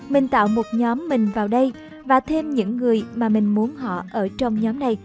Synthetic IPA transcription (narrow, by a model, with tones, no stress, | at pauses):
mï˨˩ŋ̟t̪a̰ː˧˨wmo˨˩t̚ɲɔ˨˦mːï˨˩ŋ̟vaː˨˩wɗə˧j | vaː˨˩t̪ʰe˧mɲɨ̰˧˥ŋːɨ˨˩əjmaː˨˩mï˨˩ŋ̟mu˨˦ənɦɔ̰˧˨ʔəː˧˩t͡ɕɔ˧wŋ͡mɲɔ˨˦mna˨˩j